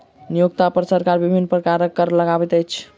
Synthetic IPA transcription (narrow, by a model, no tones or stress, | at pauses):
nijoɡt̪apəɾsəɾkaɾbibʱinːpɾəkaɾəkːəɾləɡabɛt̪əjt͡ʃʰ